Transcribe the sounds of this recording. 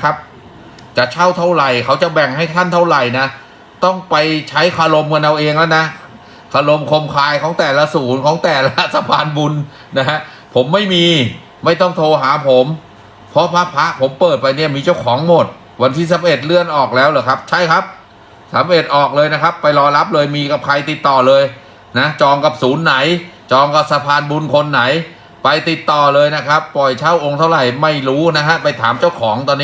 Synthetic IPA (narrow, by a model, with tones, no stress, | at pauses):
kʰa˦˥p̚ | t͡ɕa˨˩ʔ̚t͡ɕʰa˥˩wt̪ʰa˥˩wɾa˨˩jkʰa˦˥wt͡ɕa˨˩bɛ˨˩ŋɦa˥˩jt̪ʰa˥˩nt̪ʰa˥˩wɾa˨˩jna˦˥ | t̪ɔ˥˩ŋpa˧jt͡ɕʰa˦˥jkʰa˧lo˧mka˧nʔa˧wʔeː˧ŋlɛ˦˥wna˦˥ | kʰa˧lo˧mkʰo˧mkʰaː˧jkʰɔː˩˦ŋt̪ɛː˨˩la˧suː˩˦nkʰɔː˩˦ŋt̪ɛː˨˩ɾa˦˥˩t̪ʰːa˧baː˧nbu˧n | na˦˥ɦa˦˥ʔ | pʰo˩˦mːa˥˩jmiː˧ | ma˥˩jt̪ɔ˥˩ŋt̪ʰoː˧ɦaː˩˦pʰo˩˦m | pʰɔ˦˥pʰa˦˥ʔpʰa˦˥ʔpʰo˩˦mpɤː˨˩t̪̚pa˧jni˥˩ɐmiː˧t͡ɕa˥˩wkʰɔː˩˦ŋmo˨˩t̪̚ | wa˧nt̪ʰiː˥˩sa˨˦mʔe˨˩t̪̚lɯ˥˩ənʔɔː˨˩k̚lɛː˦˥wlɤː˧˩jkʰa˦˥p̚t͡ɕʰa˥˩jkʰa˦˥p̚ | sa˩˦mɾe˨˩t̪̚ʔɔː˨˩k̚lɤː˧jna˦˥kʰa˦˥pːa˧jlɔː˧la˦˥p̚lɤː˧jmiː˧ka˨˩p̚kʰa˧jt̪i˨˩t̪ːɔː˨˩lɤː˧j | na˦˥t͡ɕɔː˧ŋka˨˩p̚suː˩˦nːa˨˩˦jt͡ɕɔː˧ŋka˨˩p̚sa˧pʰaː˧nbu˧nkʰo˧nːa˩˦j | pa˧jt̪i˨˩t̪ːɔː˨˩lɤː˧jna˦˥kʰa˦˥pːɔ˨˩jt͡ɕʰaː˦˥˩wʔo˧ŋt̪ʰa˥˩wɾa˨˩jma˥˩jɾuː˦˥na˦˥kʰa˦˥pa˧jt̪ʰaː˩˦mt͡ɕa˥˩wkʰɔː˩˦ŋt̪ɔː˧niː˦˥